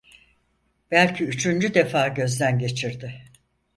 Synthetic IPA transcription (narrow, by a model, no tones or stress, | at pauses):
b̥ælʲcʰiyt͡ʃʰynd͡ʒyd̪e̞faːɟø̞zd̪ænɟe̞t͡ʃʰiɾd̪ɪ